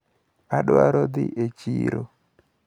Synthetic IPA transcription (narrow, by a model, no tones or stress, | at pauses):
aɗaɾɔd̪ɪʔet͡ʃiɾo